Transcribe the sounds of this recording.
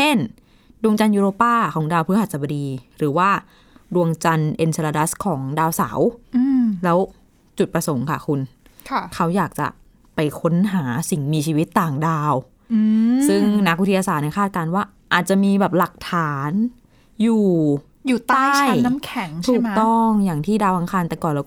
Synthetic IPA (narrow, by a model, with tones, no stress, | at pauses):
t͡ɕʰe˥˩n | du˧əŋt͡ɕa˧njuː˧ɾoː˧paː˥˩kʰɔː˩˦ŋdaː˧wpʰɯ˥˩h̪̚sa˩ba˧diː˧ɾɯː˩˦waː˥˩ | du˧əŋt͡ɕa˧nʔe˧nse˧laː˧da˦˥skʰɔː˩˦ŋdaː˧wsa̰˩˦w | lɛː˦˥w | t͡ɕu˨˩t̪̚pɾa˧so˩˦ŋkʰa̰˥˩kʰu˧n | kʰkʰa˦˥wjaː˨˩k̚t͡ɕa̰˨˩ | pa˧jkʰo˦˥nɦaː˩˦si˨˩ŋmiː˧t͡ɕʰiː˧wi˦˥t̪ːaː˨˩ŋdaː˧w | sɯ˥˩ŋna˦˥k̚wi˦t̪ʰːjaː˧saː˨˩nɛ˧˥˩kʰaː˥˩t̪̚kaː˧nwaː˥˩ | ʔaː˨˩t̪̚t͡ɕa˨˩ʔmiː˧bɛː˨˩p̚la˨˩k̚t̪ʰaː˨˩˦n | juː˨˩ | juː˨˩t̪ːa˥˩jn˦˥mkʰɛ˩˦ŋʰuː˧˨˩k̚t̪ɔ˥˩ŋjaː˨˩ŋt̪ʰiː˥˩daː˧wʔa˧ŋkʰaː˧nt̪ɛ˨˩kɔː˨˩nlɛː˦˥